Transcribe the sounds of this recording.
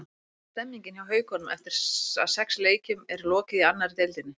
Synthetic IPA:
st̪ɛmːiɲcɪnawɦœːɥkhɔnʏmɛft̪ɪɾ̥a̰ðsɛksleːjcʏmɛɾlɔːcɪðianːaɾɪt̪ejlt̪ɪnːɪ

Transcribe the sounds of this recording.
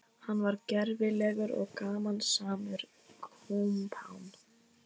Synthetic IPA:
hanːvaɾcɛɾvɪlɛɣʏɾɔ̰ɣkaːmansaːmʏɾ | kʰumpʰa̰wn

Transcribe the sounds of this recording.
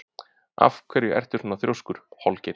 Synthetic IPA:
a̰fkʰvɛɾjɪɛ̰r̥t̪ʏɾ̥ɔnːaθɾjowskʏɾ̥halcɪɾ

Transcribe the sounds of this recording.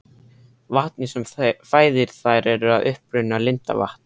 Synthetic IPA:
vaht̪nɪsɛmfaːjðɪɾ̥θajɾɛɾʏaðʏhpɾʏnːalɪnt̪a̰va̰ht̪n̥

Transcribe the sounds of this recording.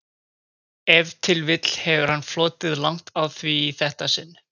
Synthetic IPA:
ɛvt̪ʰɪlvɪt̪l̥hɛvʏɾ̥hanːflɔːt̪ɪðlawŋ̥t̪awθviːθɛht̪asɪnː

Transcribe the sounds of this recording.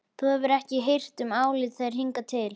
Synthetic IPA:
θuhɛvʏɾɛhcɪɦejr̥t̪ʏmaːwlɪt̪θejɾ̥ɦiŋkat̪ʰɪl

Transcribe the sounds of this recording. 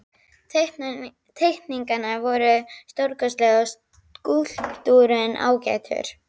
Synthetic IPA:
t̪ʰejkniŋkanavɔɾʏst̪oɾkœslɛɣas | kul̥t̪uɾʏnʔa̰ːwcɛ̰t̪ʰʏ̰ɾ̥

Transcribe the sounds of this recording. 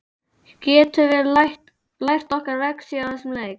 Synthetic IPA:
cɛːt̪ʏvɛɾlht̪ | lajr̥t̪ɔhkaɾvɛksiaθɛsɪmleːjk

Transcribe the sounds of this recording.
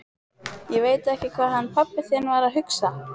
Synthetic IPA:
jɛveːjt̪ɛhcɪkʰvaːðɦanːfapːɪθjɛnvaɾaðɦʏksa

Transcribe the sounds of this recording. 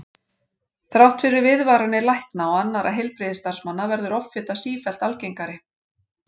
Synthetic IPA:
θɾawht̪fɪɾɪɾvɪðvaːɾanɪlajhknaɔanːaɾʔa̰ɦejlpɾɪðɪst̪ar̥smanːavɛɾðʏɾɔfːɪt̪asiːfɛl̥t̪alcejŋkaɾɪ

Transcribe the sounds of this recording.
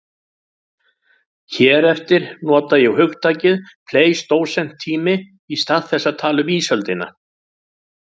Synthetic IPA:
çɛːɾɛft̪ɪɾ̥nɔːt̪ajɛhʏxt̪ʰaːcɪðpʰleːjst̪oːwsɛm̥t̪ʰːiːmɪ | ist̪aðθɛsːat̪ʰaːlʏmiːsœlt̪ɪna̰

